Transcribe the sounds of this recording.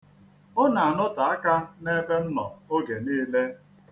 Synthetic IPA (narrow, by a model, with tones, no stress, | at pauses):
ʊ˦na˨a˨nʊ˦ta˨a˦ka˦ne˦be˦n̩˦nɔ̰˨o˦ɡe˨niː˦le˦